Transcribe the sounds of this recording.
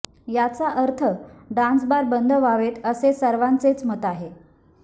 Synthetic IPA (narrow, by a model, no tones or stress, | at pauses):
jat͡saʔəɾt̪ʰəɖãnsbaɾbənd̪ʱəʋaʋet̪əsesəɾʋãnt͡set͡smət̪aɦe